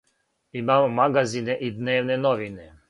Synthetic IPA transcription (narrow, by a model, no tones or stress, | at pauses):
imaːmomaɡazineʔid̪neːʋnenoʋine